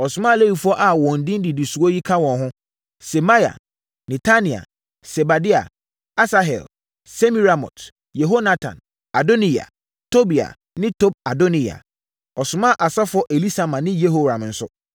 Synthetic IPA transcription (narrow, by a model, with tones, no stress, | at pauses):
ɔ˨sʊ˨mã˦˨le˦wi˨fʊ˦ɔ˦ʔa˨wɔ̃˨n̩˨dɪ̃˦n˦di˨di˨su˨ɔ˦ji˦kʰã˦wɔ̃˨nɦʊ̃˦ | sɛ˨ma˦ja̰˨ | nɛ̃˨tʰa˦nĩ˨a̰˨ | sɛ˨ba˨di˦a̰˨ | a˦sa˦ɦɛ̰˨l | se˦mi˦ɾa˨mɔ̰˨t | je˨ɦo˦na˦tʰã̰˨n | a˨do˦ni˦ja̰˨ | tʰo˦bi˨a̰˨ | nɪ̃˦tʰo˦b̚a˨do˦nĩ˨a̰˨ | ɔ˨sʊ˨mã˦˨ʔa˨sa˦fʊ˨˦ɔ˦ʔe˨li˦sa˨mã˨nɪ̃˦je˦ɦo˨ɾã˨mn̩˨sʊ̰˦